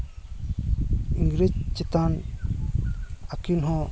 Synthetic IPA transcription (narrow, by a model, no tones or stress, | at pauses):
iŋɡɾed͡ʒt͡ʃɛt̪an | akunɦɔ̃